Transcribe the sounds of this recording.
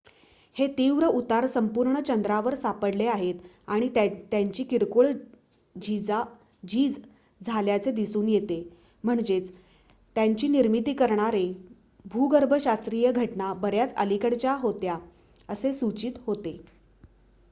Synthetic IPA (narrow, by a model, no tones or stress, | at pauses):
het̪iʋɾəut̪aɾsəmpuɾɳət͡ɕənd̪ɾaʋəɾsapəɽleaɦet̪ | aɽ̃it̪jaɲt͡ɕiːkiɾkoɭ | d͡ʑid͡za | d͡ʑiːd͡z | d͡zʱaljat͡sed̪isuːnjet̪e | m̤əɳd͡ʑet͡s | t̪jaɲt͡ɕiːniɾmit̪iːkəɾɳaɾe | bʱuɡəɾbʱəɕast̪ɾijəɡʱəʈɳabəɾjat͡sə̰likəɽt͡ɕjaɦot̪ja | əsesut͡ɕiːt̪ɦot̪e